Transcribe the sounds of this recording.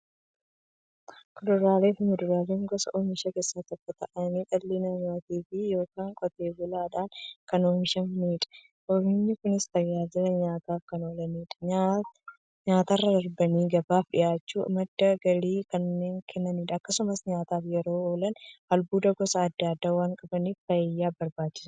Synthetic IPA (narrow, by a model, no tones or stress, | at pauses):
kʊdʊɾaːleːfɪmʊd̪ʊɾaːleːŋɡɔsɐʔoːɲɪʃɐke̞ːsːaːt̪ɪkːɐt̪ɐ̰ʔɐniːt̪ʼɐlːɪnɐɲaːt̪iːfɪjo̞ːkaːŋkʼɔt̪e̞ːbʊlaːᶑaːnkɐnoːɲɪʃɐmmiːᶑɐ̥ | ʔoɾɪɲːɪkʊnɪst̪ɐjːaːd͡ʒɪɾɐɲaːt̪aːfkɐno̞ːlɐniːᶑɐ̥a | ɲaːt̪arːɐdɐɾbɐniːɡɐbaːfɗɪ̰jaːt͡ʃːṵːmɐd̪ːɐɡɐɾiːkɐnːe̞ːŋkʰɛnːɐniːᶑɐɐkːɐsʊmɐsɲaːt̪aːfjɛɾo̞ːoːlɐnʔɐlbuːd̪ɐɡɔsɐːd̪ːad̪ːaːwaːŋkʼɐbɐniːfbɐjɪjːaːbɐɾbaːt͡ʃːɪsɐ̥